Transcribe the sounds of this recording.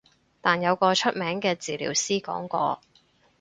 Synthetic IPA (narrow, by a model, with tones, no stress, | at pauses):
t̪aː˨njɐ˨˧wkɔː˧t͡ʃʰɵ˥t̚mɛː˨˥ŋkɛː˧t͡siː˨lḭː˨˩wsiː˥kɔ̰ː˨˥ŋkɔ̰ː˧